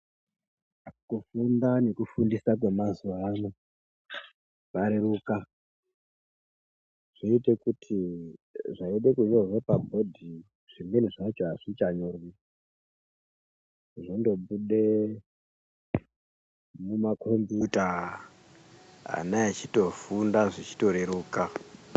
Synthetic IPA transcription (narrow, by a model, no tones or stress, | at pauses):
kufundane̞kufundisak̬we̞mazuʋano | paɾiɾuːka | ʐ̥iitekutʰi | ʐaiɗekuɲorʐepabʱo̞dʱi | ʐ̥imbeniʐat͡ʃoaʐ̥it͡ʃaɲori | ʐondo̞ɓuɗe | mumakʰombuta | a̰naat͡ʃito̞fundaʐit͡ʃi̥to̞ɾeɾuːka